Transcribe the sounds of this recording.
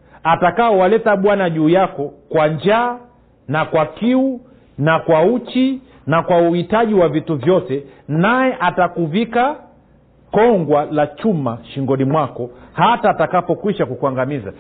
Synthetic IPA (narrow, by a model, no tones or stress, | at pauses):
atakaɔwalɛtaɓwanaʄuːjakɔkwaɲd͡ʒaː | nakwakiu | nakwaut͡ʃi | nakwauhitaʄiwavituvjɔtɛnajɛʔatakuvika | kɔŋɡwalat͡ʃumaʃiŋɡɔnimwakɔhataːtakapɔkwiʃakukwaŋɡamiza̰